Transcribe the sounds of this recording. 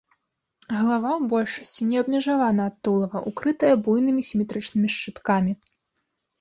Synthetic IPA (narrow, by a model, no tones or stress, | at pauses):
ɣɐlˠavawbɔlʲʂɐsʲt͡sʲinʲɛɐbmʲɛʐavanɐːt̪ːulˠɐvɐʔukɾɨt̪ɐjɐbujn̪ɨmʲisʲimʲɛt̪ɾɨt͡ʂnɨmʲiʂt͡ʂɨt̪kamʲi